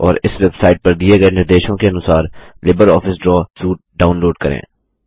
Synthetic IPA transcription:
ɔːɾɪsʋɐk̚t̪saːɪʈ̚pɐɾd̪ieɡɐenɪɾd̪eːʃõkeɐnʊsaːɾlɪbəɾɔːfɪsɖɾɔːsuːʈ̚ɖaːʊnloːɖkɐɾḛ̃ː

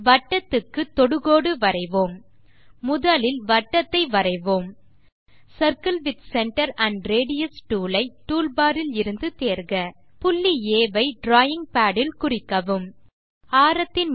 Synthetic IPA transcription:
ʋɐʈːɐt̪ːɯkːɯt̪ːɔɽɯɣoːɽɯʋɐɾɐɪʋoːmː | ʊðɐlɪlʋɐʈːɐt̪ːɐɪʋɐɾɐɪʋoːm | sɐɾkɐlʋɪd̪sɛɳʈɐɾɐɳɖɾeːɽɪjɐsʈuːlɐɪʈːuːlbaːɾɪlɪɾɯnd̪ɯt̪eːɾɣɐ | pʊlːieːʋɐɪɖɾaːjɪŋpaːɽɪlkʊrɪkːɐʋɯm | aːɾɐt̪ːɪn

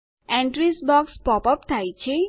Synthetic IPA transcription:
ɛ̃ɳʈɾisbɔkspɔpəpt̪ʰajt͡ʃʰe

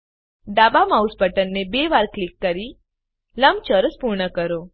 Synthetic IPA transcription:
ɖabamausbəʈənːebeʋaɾklikːəɾi | ləmt͡ʃəɾəspuɾɳəkəɾo

